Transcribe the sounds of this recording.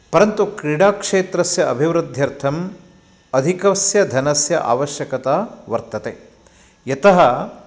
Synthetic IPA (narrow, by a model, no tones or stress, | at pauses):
pɐɾɐnt̪ukɾiɽaːkʂeːt̪ɾɐsjɐɐbʱiʋɾud̪ʱjɐɾt̪ʰɐm | ɐd̪ʱikɐsjɐd̪ʱɐnɐsjɐ̰ʔa̰ːʋɐʃjɐkɐt̪aːʋɐɾt̪ɐt̪e | jɐt̪ɐɦɐ